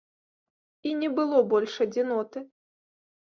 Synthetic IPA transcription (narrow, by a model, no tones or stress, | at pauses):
inʲɛbɨlˠɔbɔlʲʂɐd͡zʲinɔt̪ɨ